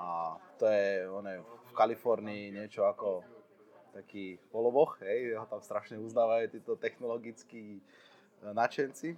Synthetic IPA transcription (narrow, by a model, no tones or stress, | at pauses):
at̪ɔjɛɔnɛfkalifɔɾniːɲɪɛt͡ʃɔakɔ | t̪akiːpɔlɔbɔxɦɛjʒɛɦɔt̪amst̪ɾaʃɲɛuznaːʋajut̪iːt̪ɔt̪ɛxnɔlɔɡit͡skiː | nat͡ʃɛnt͡si